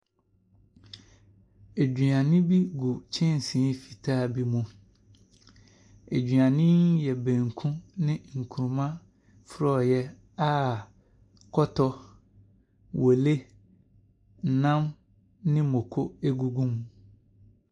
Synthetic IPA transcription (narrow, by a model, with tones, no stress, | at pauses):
e˨d͡ʑᶣɥã˨nɪ̃˦bi˦ɡu˨t͡ɕʰɪ̃˦n˨sĩ˨˦fi̥˨tʰaː˦bi˦mũ˨ | e˨d͡ʑɥã˨nɪ̃˦njɛ˨bæ̃˨ŋkʰũ˦nɪ̃˦ŋ̩˨kʰu˨ɾmã˦ | fʊ˦ɾɔ˦˨jɛ˦ | a˦ | kʰɔ˦tʰɔ˦ | wʔo˨le˦ | n̩˨nã˦m | nɪ̃˦mõ˨kʰo˦e˦ɡu˦ɡũ˦m